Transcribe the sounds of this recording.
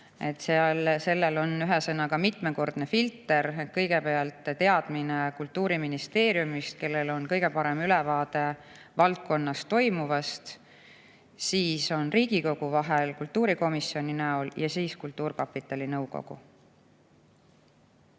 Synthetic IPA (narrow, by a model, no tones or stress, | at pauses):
e̞t̪ːseɑlse̞lːelo̞nyɦesɤnɑkɑmit̪me̞ko̞rd̪̥ne̞filt̪ːˑe̞ɾkɤ̞jɡe̞peɑlt̪ˑːt̪e̞ɑd̪̥minekult̪ːˑuːɾiminist̪e̞ːɾjumist̪̚ke̞lːe̞lo̞nkɤjɡe̞pɑɾe̞mylɛvɑːd̪e̞ | vɑlt̪̚ko̞nːɑst̪o̞jmuvɑst̪ | siːso̞nriːɡ̥iko̞ɡ̥uvɑɦelkult̪ːˑuːɾiko̞misio̞nʲinæoljɑsiːskult̪ːuːrkɑpːit̪ːˑɑlinɤwɡo̞̰ɡ̥ṵ